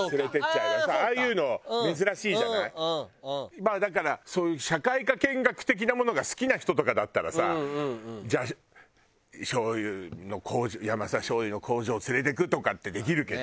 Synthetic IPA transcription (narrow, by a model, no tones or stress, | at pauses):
sɨɾe̞t̪et͡ɕːaiβasaaːjɯ̟ːno̞me̞zɨɾaɕiːʑaai | mad̪ak̬aɾaso̞ːjɯ̟ɕakaikakẽ̞ŋɡakɯ̥t̪e̞k̬ʲinamo̞no̞ɡasɨ̥kʲinaçi̥t̪o̞t̪o̞kad̪at̪ːaɾa̰sa̰ | d͡ʑaɕ | ɕo̞ːjɯno̞kʰo̞ːʑojamasaɕo̞ːjɯno̞kʰo̞ːʑo̞ːt͡sɨɾe̞t̪e̞kɯ̟t̪o̞kat̪ːe̞d̪e̞k̬ʲiɾɯ̟ke̞d̪o